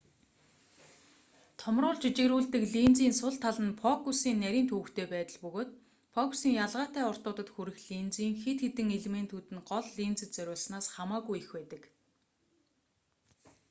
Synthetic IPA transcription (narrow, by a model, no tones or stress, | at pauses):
t̪ʰɔmrʊːɮt͡ɕit͡ɕeɾuːɮt̪ɘ̆kɮint͡siːnsʊɮt̪ʰːaɮə̆npʰɔkusiːnːæɾʲiːnt̪ʰŭːkt̪ʰeːpæːt̪ə̆ɮpɵɣoːt̪ | pʰɔkʰu̥siːŋjaɮʁaːt̪æːɔr̥t̪ʊːt̪ə̆t̪xuɾɘ̆xɮint͡siːŋxet̪xet̪ɘ̆ŋeɮment̪ʰut̪ɘ̆nɢɔɮːint͡sɘ̆t̪t͡sœɾʲʊːɮsnaːsχamaːɣujixwæːt̪ə̆k